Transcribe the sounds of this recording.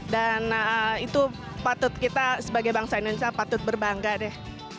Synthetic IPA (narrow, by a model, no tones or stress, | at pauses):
danəit̪u | pat̪ʊt̪̚kit̪asəbaɡajbaŋsainunsiapat̪ʊt̪̚bərbaŋɡadɛh